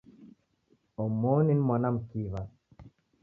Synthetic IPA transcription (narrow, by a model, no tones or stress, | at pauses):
ɔmːɔːninmanamkiːvan